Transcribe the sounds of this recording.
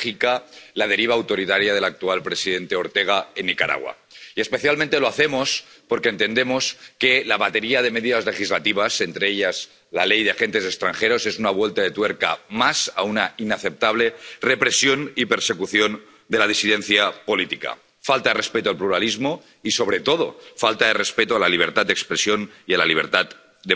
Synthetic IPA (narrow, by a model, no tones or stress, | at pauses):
ikalaðe̞ɾiβ̞aːwt̪o̞ɾit̪aɾjaðe̞lak̚t̪ualpɾe̞siðe̞nt̪eoɾt̪e̞ɣ̞aenːikaɾa̰ɣwa̰ | iespe̞θjalmẽnt̪e̞lo̞aθe̞mo̞s | po̞ɾkent̪e̞nd̪e̞mo̞ske̞laβat̪e̞ɾiað̞eme̞ðiðazle̞xizlat̪iβ̞ase̞nt̪ɾeeʎaz | lalejðeaxe̞nt̪e̞sekst̪ɾaŋxe̞ɾo̞sesunaβwelt̪aðet̪weɾka̰masa̰unainaθe̞p̚t̪aβ̞le̞repɾe̞sjonipeɾse̞kuθjon | d̪elaðisiðenθjapolit̪ika̰ | falt̪aðerespet̪oalpluɾalizmo | iso̞β̞ɾet̪o̞ð̞o̞̰falt̪aðe̞respet̪oalaliβ̞eɾt̪at̪d̪ekspɾesjo̞nialaliβ̞eɾt̪at̪ | d̪e